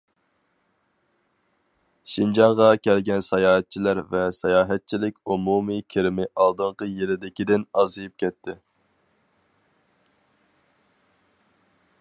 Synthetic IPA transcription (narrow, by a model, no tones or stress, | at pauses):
ʃind͡ʒɑɴʁɑkʲʰɛlɡʲɛnsɑjɑːɦɛt̪̚t͡ʃʰilæɾvɛsɑjɑːɦɛt̪̚t͡ʃʰilɪkʲumumikʲʰɪɾɪmɪʔɑlˠd̪ɨɴqəjelɪd̪ɪkʲid̪ɪnɑzɨjip̚kʲʰɛt̪ʰːɪ